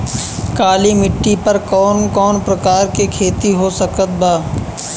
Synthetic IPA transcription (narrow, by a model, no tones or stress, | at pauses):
kaːlimɪʈːipɐɾkɔːnkɔːnpɾɐkaːɾkekʰeːt̪iɦosɐkət̪̚baː